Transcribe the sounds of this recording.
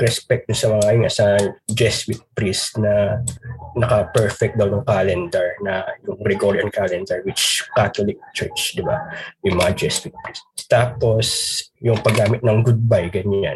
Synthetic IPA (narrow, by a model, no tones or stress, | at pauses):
ɾɛspɛk̚t̪ʊsɐmɐŋajʊŋʔɐ̰sad͡ʒɛswɪt̪̚pɹist̪nɐ | nɐkɐpɛɹfɛk̚t̚d̪ɐwnʊŋkaːlɛnd̪ɛɹnɐjʊŋbɾɛɡoɹiɐnkalɛnd̪ɛɹwɪt͡ʃkaːt̪olɪk̚t͡ʃɛɹt͡ʃd̪ɪba̰jʊŋmɐŋad͡ʒɛswɪt̪̚pɹist̪st̪aːpo̞sjʊŋpɐɡaːmɪt̪̚nɐŋɡʊd̪̚bajɡɐɲan